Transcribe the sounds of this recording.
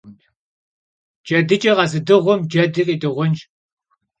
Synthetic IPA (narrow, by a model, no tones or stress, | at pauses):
d͡ʒɐdɨt͡ʃʼɐʁɐzɨdɨʁʷʊmd͡ʒɐdɨkʼiːdɨʁʷʊnt͡ʃʼ